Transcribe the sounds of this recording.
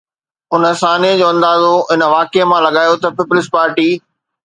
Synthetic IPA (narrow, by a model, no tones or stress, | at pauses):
ʊnəsaːniəd͡ʑoːɐ̃nd̪aːzoɪnə̆ʋaːkemãlɐɠaːjot̪ɐpɪpʊlɪspaːɾʈiː